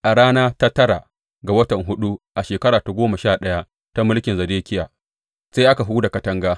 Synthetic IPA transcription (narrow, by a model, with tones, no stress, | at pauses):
ʔa˨ɽaː˦naː˦ta˦tɐ˦ɾa˨ | ɡa˨wɐ˦tɐ˨ŋɦʊ˦ɗu˦ʔa˨ʃeː˨kɐ˦ɾaː˨ta˨˦ɡʷoː˦ma˨ʃaː˦˨ɗɐ˦ja˦ | ta˦mʊ˦lkʲɪ˨nzɐ˨deː˦kʲɪ˦jaː˨ | sa˦jʔa˦ka˨ɦu˦da˨kɐ˨˦tɐ˦ŋɡaː˦